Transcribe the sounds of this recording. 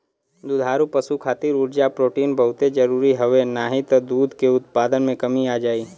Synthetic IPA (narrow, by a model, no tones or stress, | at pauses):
d̪ʊd̪ʱaːɾupɐsukʰaːt̪ɪɾʊʈd͡ʒapɾoːʈiːnbɐɦʊt̪ed͡ʒɐɾuːɾiɦɐʋenaːɦit̪d̪uːd̪ʱkeʊt̪̚paːd̪ənmẽkɐmiaːd͡ʒaːiː